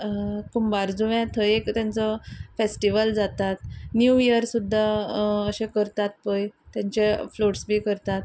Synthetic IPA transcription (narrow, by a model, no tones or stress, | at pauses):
kumbaɾd͡zuʋɛ̃t̪ʰəekt̪jãnt͡sɔfesʈiʋəld͡zat̪at̪njujəɾsud̪ʱːaəɕẽkəɾt̪at̪̚pəjt̪jãɲt͡ɕefloʈsbʱiːkəɾt̪at̪